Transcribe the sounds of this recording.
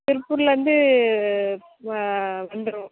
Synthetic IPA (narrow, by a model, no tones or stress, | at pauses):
t̪ɪɾɯpːʊɾɪlʋɐnd̪ɯ | ʋɐnd̪ɯɾʊ̃